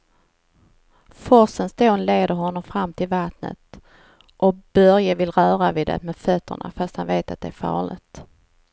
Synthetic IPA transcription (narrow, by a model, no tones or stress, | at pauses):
fɔsənst̪oːnleːd̪əɾɦɔnːɔmfɾamːt̪ʰɪlvat̪nə̰t̪ | ʔɔb̥œɾjavɪlɾœːɾavɪːd̪ɛ̰t̪mɛd̪fœt̪ʰːə̰ɳa̰fast̪hanveːt̪at̪̚d̪ɛæɾfɑ̰ːɭɪ̰t̪